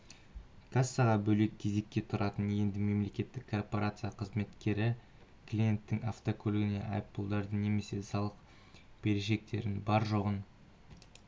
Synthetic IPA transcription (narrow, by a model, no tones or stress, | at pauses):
kʰasːɑʁɑbɵle̞k̚ʲʰːe̞ze̞kʲːe̞t̪ʰʊɾʔɑt̪ənje̞nd̪ɪme̞mle̞kʲe̞t̪ːɪkʰːo̞rpo̞ɾat̪sɨjaqʰəzme̞t̪kʲe̞ɾɪ | kʰlʲije̞nt̪ːɪŋaft̪okʲʰɵlɡɪne̞̰ʔɑ̰jp̚pːulˠd̪ɑɾd̪əne̞me̞se̞sɑlˠəq | b̥e̞ɾeʃe̞k̚t̪e̞ɾɪnbɑɾʒo̞ʁən